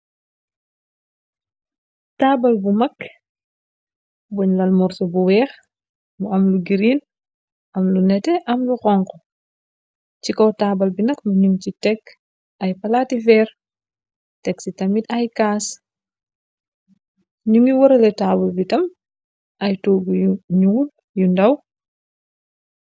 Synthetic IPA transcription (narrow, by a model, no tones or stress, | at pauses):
taːbɐlbumɐk | wɔɲlɐlmɔɾsɔbuwɛːx | muɐmluɡiɾiːl | ʔɐmlunɛtɛʔɐmluxɔŋkɔ | cikɔwtaːbɐlbinɐkmuɲumcitɛk | ɐjpɐlaːtifɛɾ | tɛksitɐmitɐjkaːs | ɲumiwɔɾɐlɛtaːbulbitɐm | ʔɐjtɔːɡujuɲuːl | jundɐw